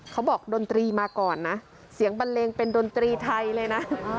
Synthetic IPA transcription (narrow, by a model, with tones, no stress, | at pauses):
kʰa˦˥wbɔː˨˩k̚do˧nt̪ɾiː˧maː˧kɔː˨˩nːa˦˥ʔ | si˨˩˦əŋba˧nleː˧ŋpe˧ndo˧nt̪ɾiː˧t̪ʰa˧jlɤː˧jna˦˥